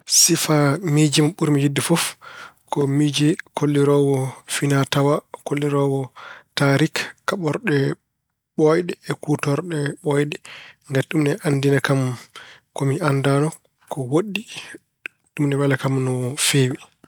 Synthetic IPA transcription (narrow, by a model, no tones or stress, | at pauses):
sifamid͡ʒimɓuɾmid͡ʒidːɛfɔfkɔmid͡ʒɛkʰolːiɾɔwɔfinatawakolːiɾɔwɔtaɾikkːaɓɔɾɗɛ | ɓɔjɗɛɛkutɔɾɗɛɓɔjɗɛŋɡaɗumnɛʔandinakamkɔmiʔandanɔ | kɔwoɗːi | ɗumnɛwɛlakamnɔfeːwi